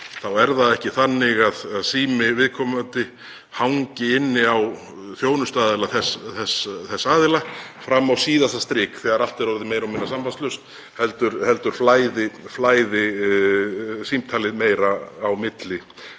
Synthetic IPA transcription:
θawɛɾðaɛhcɪθanːɪɣaðaðsiːmɪvɪðkʰɔːmant̪ɪ | hawɲcɪɪnːɪaw | θjoːwnʏst̪aːðɪlaθɛsθɛsθɛsːaːðɪla | fɾamːawsiːðaθast̪ɾɪːkθɛːɣaɾal̥t̪ɛɾɔɾðɪmeːjɾamɪnːasampanst̪lʏst̪ | hɛlt̪ʏɾhɛlt̪ʏɾ̥flaːjðɪflaːjðɪ | simt̪ʰaːlɪðmeːjɾaːwmɪt̪lɪ

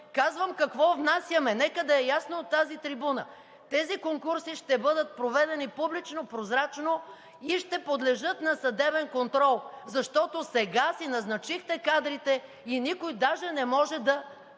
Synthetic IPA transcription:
kazvəmkɐkvɔvnasʲjəmɛnɛkəd̪ɐɛjasnoot̪ːazit̪ɾibunə̰ | t̪ɛzikoŋkuɾsiʃt̪ɛbɤd̪ət̪̚pɾovɛd̪ɛnipublit͡ʃnopɾozɾat͡ʃno | iʃt̪ɛpod̪lɛʒɤt̪nɐsɐd̪ɛbɛnkont̪ɾɔlˠzɐʃt̪ɔt̪osɛɡasinɐznɐt͡ʃixt̪ɛkad̪ɾit̪ɛ | inikojd̪aʒɛnɛmɔʒɛd̪ɐ

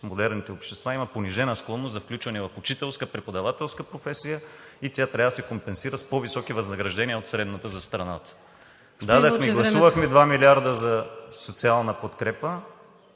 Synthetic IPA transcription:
mod̪ɛɾnit̪ɛopʃt̪ɛst̪vaimɐponiʒɛnəsklˠɔnːoszɐfklʲut͡ʃvɐnɛvɐfʊt͡ʃit̪ɛlˠskəpɾɛpod̪ɐvat̪ɛlˠskəpɾofɛsijəit̪ʲjat̪ɾʲavəsɛkompɛnsiɾəspovisɔkivɐznɐɡɾɐʒd̪ɛniəot̪sɾɛd̪nət̪əzɐst̪ɾɐnat̪ə̥ | d̪ad̪əxmɛɡlˠɐsuvəxmɛd̪vamilʲiaɾd̪əzɐsot̪sialˠnəpot̪kɾɛpə

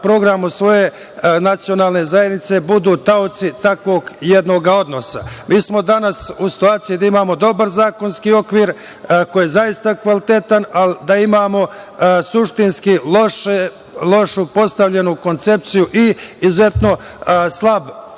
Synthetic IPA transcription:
pɾo̞ɡɾamusʋo̞je | nat̪sijo̞naːlˠne̞zajed̪nit̪se̞bud̪uːt̪aot̪sit̪akʋo̞ːɡjed̪no̞ːɡao̞d̪no̞samiːsmo̞d̪anasusi̥t̪uaːt̪sijid̪aimaːmo̞d̪o̞baɾzaːko̞nskio̞kʋiːɾ | kojezajist̪akʋalit̪et̪anald̪aimaːmo̞suʃt̪inskilˠoʃe | lˠo̞ʃupo̞st̪aʋʎe̞nuko̞nt̪se̞p̚t̪sijuʔiizuze̞t̪no̞ | slˠab

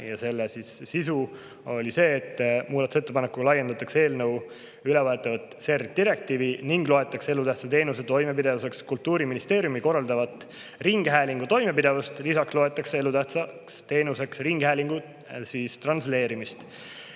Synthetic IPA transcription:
jɑse̞lːesisːisu | o̞lʲise̞ːt̪ːˑmuːd̪ɑt̪uset̪ːe̞pɑnekːu̥ɑlɑjːe̞nd̪̥ɑt̪ːˑɑkse̞ːlnɤw | ylɛvɑet̪ːˑɑvɑt̪ˑse̞rd̪̥iɾe̞k̚t̪iːviniŋɡ̥lo̞e̞t̪ːˑɑksee̞lut̪æht̪sɑt̪e̞ːnuset̪o̞jme̞pid̪e̞vuse̞kskult̪ːuːɾiminist̪e̞ːɾjumiko̞rɑld̪ɑvɑt̪ˑ | riŋɡ̥ɦæːliŋɡ̥ut̪o̞jme̞pid̪e̞vust̪lisɑkslo̞e̞t̪ːˑɑksee̞lut̪æht̪sɑkst̪e̞ːnuse̞ksriŋɡ̥hæːliŋɡ̥u | siːst̪rɑnsle̞ːɾimist̪

